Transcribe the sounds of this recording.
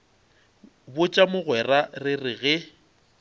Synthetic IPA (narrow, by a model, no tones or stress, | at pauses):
bʊt͡ʃʼamʊɣwɛrarɪrɪɣɛ